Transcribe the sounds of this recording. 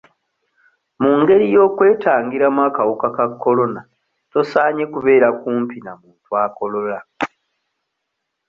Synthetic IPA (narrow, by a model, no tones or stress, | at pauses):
muːŋɡe̞ɾijo̞ːkwe̞ːtaːŋɡiɾamwaːkawokakakʰːo̞lo̞na | to̞saːɲe̞kuβe̞ːɾakuːmpinamuːntwaːko̞lo̞la